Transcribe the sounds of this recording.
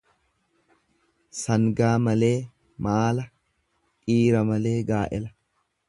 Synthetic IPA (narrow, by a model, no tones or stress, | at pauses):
sɐŋɡaːmɐle̞ː | maːlɐ | kʼiːɾɐmɐle̞ːɡaːʔɛlɐ